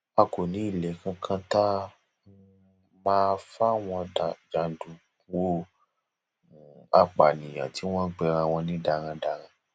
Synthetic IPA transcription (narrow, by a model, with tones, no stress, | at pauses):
a˧ko˨nĩ˨˦i˦˨lɛ˨˦kã˧kʰã˦ta˦ | mãː˦fa˦˨w̃ɔ̃˧a˨d͡ʒa˧dũ˧˦ | o˦˨ | a˦k͡pa˨nĩ˨j̃ã̰˨ti˨˦w̃ɔ̃˦n̩˦k͡pɛ˧ɾ̃ã˧w̃ɔ̃˧nĩ˦da˧ɾ̃ã˧da˧ɾ̃ã˧